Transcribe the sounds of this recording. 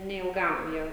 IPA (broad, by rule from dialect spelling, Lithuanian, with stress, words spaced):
nʲɛɪlˠˈɡɐm ˈjiɛ